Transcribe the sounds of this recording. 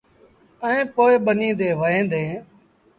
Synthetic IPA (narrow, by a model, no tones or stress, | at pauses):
əẽːpoːɪɓənĩːd̪eːʋəɦẽːnd̪ẽː